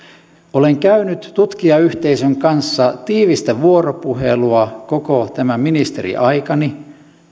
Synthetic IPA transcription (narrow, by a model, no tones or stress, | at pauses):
oleŋkæynyt̪ːut̪k̟iɑyht̪e̞isøŋkɑnsːɑt̪iːʋist̪æʋuoropuɦe̞̰luɑko̞kot̪æmæminist̪ḛɾḭʔɑjkɑni